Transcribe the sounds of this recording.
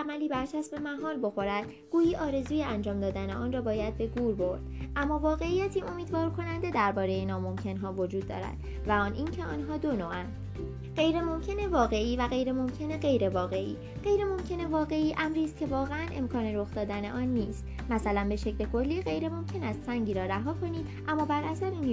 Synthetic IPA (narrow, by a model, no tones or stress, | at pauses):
æmæliːbæɾt͡ʃʰæsbe̞mæɦɒːlbo̞xo̞ɾæd̪̥ | ɡ̥uːjiːʔɒːɾe̞zuːje̞ænd͡ʒɒːmd̪ɒːd̪æneɒːnrɒːbɒːjæd̪̚be̞ɡuːɾbo̞ɾd̪̥ʔæmːɒːvɒːɣe̞ijæt̪ʰiːʔomiːd̪vɒːɾkʰo̞nænd̪e̞d̪æɾbɒːɾe̞jeenɒːmo̞mcʰe̞nɦɒːvo̞d͡ʒuːd̪ːɒ̰ːɾæ̰d̪̥ | væɒːnʔiːncʰe̞ɒːnɦɒːd̪o̞noːʔænd̪̥ | ɢ̥e̞jɾe̞mo̞mcʰe̞ne̞vɒːɣe̞iːvæɣe̞jɾe̞mo̞mcʰe̞ne̞ɣe̞jɾe̞vɒːɣe̞ʔḭː | ɢ̥e̞jɾe̞mo̞mcʰe̞ne̞vɒːɣe̞iːʔæmɾiːst̪̚cʰe̞vɒːɣeænʔe̞mkʰɒːneɾo̞xd̪ɒːd̪æne̞ʔɒːnːiːst̪ | mæsælænbe̞ʃecʰle̞kʰo̞lːiːɣe̞jɾe̞mo̞mcʰe̞næst̪sæŋɟiːɾɒːɾæɦɒːkʰo̞niːd̪ʔæmːɒːbæɾʔæsæɾin